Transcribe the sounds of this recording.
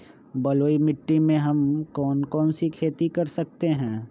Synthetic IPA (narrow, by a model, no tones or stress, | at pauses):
bɐloːimɪʈːimẽɦɐmkɔːnkɔːnsikʰeːt̪ikɐɾsɐk̚t̪eɦɛ̃ː